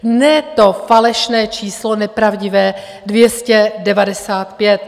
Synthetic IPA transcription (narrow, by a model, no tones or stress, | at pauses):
nɛt̪ofalɛʃnɛːt͡ʃiːslonɛpɾavɟɪvɛː | dvjɛscɛdɛvadɛsaːt̪pjɛt̪